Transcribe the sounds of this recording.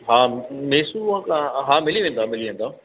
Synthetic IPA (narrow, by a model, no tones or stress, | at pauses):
ɦaːmeːsuãkãɦaːmɪliʋẽːnd̪aːmɪliʋẽːnd̪aː